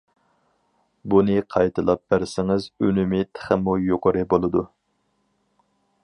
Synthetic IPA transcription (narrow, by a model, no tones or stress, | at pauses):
bunɨqʰɑjt̪ʰɨlˠɑp̚bæɾsɪŋɪzønymɪt̪ʰə̥χəmujoqʊɾɨbolˠɨd̪u